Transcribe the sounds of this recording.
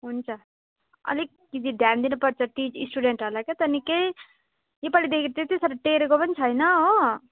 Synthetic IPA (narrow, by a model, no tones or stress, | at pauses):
ɦunt͡sʰʌ | ʌ̰li | kid̪id̪ʱjand̪inupʌɾt͡sʰʌʈit͡ʃisʈuɖeɳʈɦʌlaket̪ʌnikej | jepʌlid̪ekʰit̪et̪isʌɾʈeɾekopʌnit͡sʰʌjnʌɦo